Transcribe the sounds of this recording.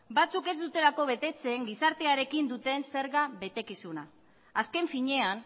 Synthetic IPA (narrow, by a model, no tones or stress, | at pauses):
bat͡suke̞zd̪ut̪e̞lako̞βe̞t̪e̞t͡se̞ŋɡisaɾt̪e̞aɾe̞kind̪ut̪e̞nse̞ɾɣaβe̞t̪e̞kisuna | aske̞ɱfiɲe̞an